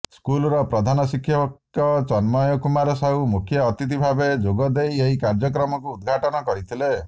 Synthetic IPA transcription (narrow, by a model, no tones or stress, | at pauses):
skulɔɾɔpɾɔd̪ʱanɔsikʰːjɔk | ɔt͡ʃɔnmɔjɔkumaɾɔsaɦumukʰjɔːt̪it̪̬ibʱabed͡ʒoɡɔd̪ejeɦikaɾd͡ʒɔk̬ɾɔmɔkuːd̪̚ɡʱaʈɔnɔkɔɾit̪ʰile